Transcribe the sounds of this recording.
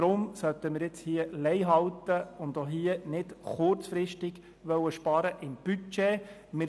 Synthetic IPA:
ɾʊmsœt̪əmɪːɾjɪt͡shiəlɛɪɦɑwtəʊndoɦiːənɪdχʊrt͡sfɾɪʃtɪɡ̥ | ʋœwəʃpɑːɾəʔɪmb̥yt͡ʃeː | mɪ

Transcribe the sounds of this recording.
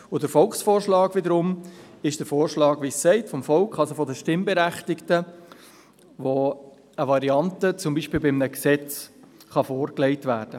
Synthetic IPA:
ʊdəɾfɔlksfoːrʃlɑːɡʋɪdəɾʊm | ɪʃd̥əɾfoːɾʃlɑːɡʋisːɛɪtfɔmfɔlkχɑlsofɔdəʃtɪmbɛɾæχtɪktə | ʋo | əʋɑɾiɑntət͡sʊmbiːʃpɪːlbɪmnəksɛt͡s | χɑfoːɾklɛɪtʋæːɾd̥ə

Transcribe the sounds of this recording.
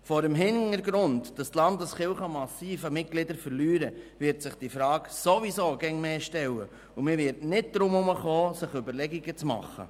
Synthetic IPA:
fɔɾəmɦɪnəɾɡɾʊndd̥ɑst̪lɑndəsχɪwχɑmɑsiːfəmɪt̚ɡ̥lɪdəɾfəɾlyːɾəvɪɾtsɪχd̥ifɾɑːksoʋisoːɡ̥ɛŋmeːʃtɛwə̰ | umɪʋɪɾtnɪd̚d̪̥ɾʊmʊməχoːsɪχʏbəɾlɛɡiɡət͡smɑ̰χːə̰

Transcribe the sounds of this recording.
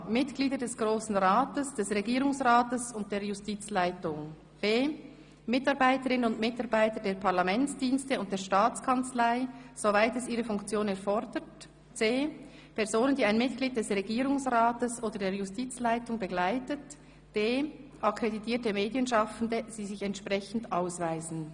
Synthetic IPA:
mɪtɡ̥liːdədɛsɡ̥ʁoːsn̩ʁaːtəsd̥ɛsʁeɡiːʁʊŋsʁaːtəsʊnt̚d̥eːjʊstiːt͡slaɪtʊŋ | b̥eː | mɪtɑʁbaɪtəʁɪnənʊndmɪtɑʁbaɪtədeːɐpʰaʁlamɛnt͡sd̥iːnstəʊnt̚d̥eːɐʃtaːt͡skʰant͡slaɪz̥ovaɪtɛsiːʁəfʊŋkt͡sjoːnɛɐʁfɔʁdət | t͡seː | pʰɛɐzoːnəndiːaɪnmɪt̚ɡ̥liːd̚d̥ɛsʁeɡiːʁʊŋsʁaːtəsʔoːdəɐdeːɐjʊstiːt͡slaɪtʊŋbəɡlaɪtət | b̥eːʔakʁeditʰiːɐtəmeːdjənʃɑfn̩dəz̥iːzɪçɛntʃpʁɛçn̩daʊsvaɪzn̩

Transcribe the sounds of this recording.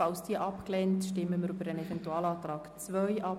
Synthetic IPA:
ɑlsd̥iːəʔɑpklɛntʃtɪmːəməɾybəɾənɛvɛntuɑːlɑːt̪ɾɑːɡt͡sʋœʏɑp

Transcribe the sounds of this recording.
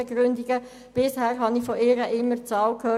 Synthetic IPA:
eɡɾʏnd̪ɪɡə | b̥ɪshæːɾɦɑnifɔʔɪːɾəʔɪmːərt͡sɑːlkʰhøː

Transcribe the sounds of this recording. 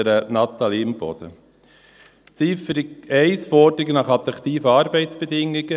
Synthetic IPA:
əɾənɑt̪ɑliɪmb̥ɔ̰d̥̪ə̰ | t͡sifəɾɪɡɛɪsfɔd̥əɾɪɡənɑχɑt̪ɾɑkt̪iːfəɑːɾbɛɪt͡sb̥ed̪ɪŋːɪɡə

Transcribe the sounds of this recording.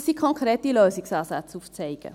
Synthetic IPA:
sikʰɔŋkɾeːtiløːsɪksɑːsat͡suft͡sɛɪɡ̥ə̰

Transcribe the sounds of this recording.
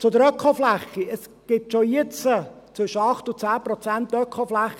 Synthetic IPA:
t͡sʊd̪əɾœkʰoflæχiəs | ɡ̥ɪtʃoiɪt͡sət͡sʋʏʃəɑχt̪ʊt͡sæːprɔt͡sæntːœkʰχoflæχːi

